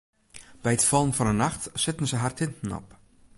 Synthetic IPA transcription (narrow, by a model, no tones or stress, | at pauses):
b̥ɛjətfɔlˠənfɔnənaxtsɪtən̩səɦartʰɪntn̩ɔ̰p